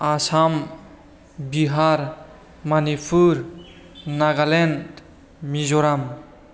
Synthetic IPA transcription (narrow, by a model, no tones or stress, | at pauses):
asam | biɦaɾ | manipʰuɾ | naɡalend | mizoɾam